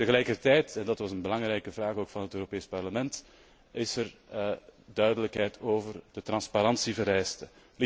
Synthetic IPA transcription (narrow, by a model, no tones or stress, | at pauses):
təɣəlɛjkərtɛjtɛndɑtʋɑsənbəlɑŋrɛjkəvraːxoːkfɑnɦətøːɾopeːspɑrləmɛnt | ɪsər | dœɥdələkɦɛjtʰoːvərd̥ətrɑnspaɾɑnsivəɾɛjstə | l